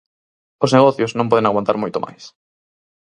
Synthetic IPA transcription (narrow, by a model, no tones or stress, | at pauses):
ʊzneɣɔθjʊznõmpɔð̞ẽŋaɣwant̪aɾmojt̪omʔa̰js